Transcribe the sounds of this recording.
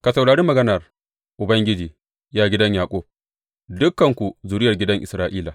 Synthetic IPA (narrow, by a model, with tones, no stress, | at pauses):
ka˨sɐ˨wɽaː˨ɽiː˦mɐ˨ɡɐ˦nɐ˨r | ʔʊ˨bɐ˦ŋɡʲɪ˦d͡ʒiː˨ | jaː˦ɡʲɪ˦dɐ˦ɲjaː˨kʷʼoː˦ | dʊ˦kːɐ˨ŋkʷu˨zuː˨ɽɪ˦jɐ˨rɡʲɪ˦dɐ˦ŋʔɪ˨sɾaː˦ʔiː˦laː˨